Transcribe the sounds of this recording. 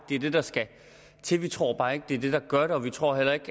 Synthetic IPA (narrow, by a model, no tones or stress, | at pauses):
d̥e̝ɐd̥e̝d̥ɑ̈sɡ̥æ | t͡sʰe̝ʋit͡sʰʁo̝̰ːɐb̥ɑ̈ːe̝ɡ̥̚d̥e̝æɐd̥e̝d̥ɑ̈ɡ̥ɶɐɾ̥e̝ɒ̽ʋit͡sʰʁo̝ːɦel̰ɐe̝ɡ̥